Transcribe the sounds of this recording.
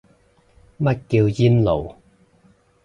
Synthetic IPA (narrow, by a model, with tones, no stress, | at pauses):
mɐ˦˥t̚kiː˧wjiː˥nlo˨˩w